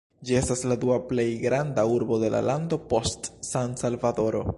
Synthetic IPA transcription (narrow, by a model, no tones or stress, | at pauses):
d͡ʒie̞stasladuaple̞jɡɾandauɾbo̞de̞la̰lando̞po̞stsansalvado̞ɾo̞̰